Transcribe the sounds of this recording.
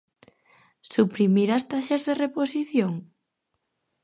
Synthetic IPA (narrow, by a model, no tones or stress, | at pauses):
supɾimiɾast̪aʃazðereposiθjoŋ